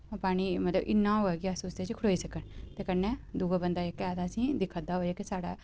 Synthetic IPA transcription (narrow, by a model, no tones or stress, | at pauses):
paːɽ̃iːmət̪lə̰bɪ̰nːãːɦoːɛːɡiəsuːsd̪eːt͡ʃkʰɽoːiːsəkəɳt̪eːkənɛːd̪uːɡabənd̪aːekːɛːd̪asĩːd̪ɪkʰːəd̪aːɦoːd͡ʒeːkɪsaːɽaː